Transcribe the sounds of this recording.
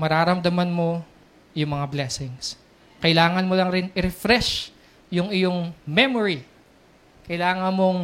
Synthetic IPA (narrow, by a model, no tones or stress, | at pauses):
mɐɾaːɾɐmd̪ɐmanmo̞ | jʊŋmɐŋablɛsɪŋs | kɐʔɪlaːŋɐnmolɐŋɾɪnɪɾɛfɾɛʃ | jʊŋɪjoŋmɛmoɹi | kɐjlaːŋɐnmoŋ